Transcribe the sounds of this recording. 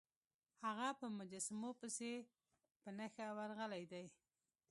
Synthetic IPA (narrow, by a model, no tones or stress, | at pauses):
haɣapəmʊd͡ʒasamopəse | pənəxawaɾɣəlajd̪aj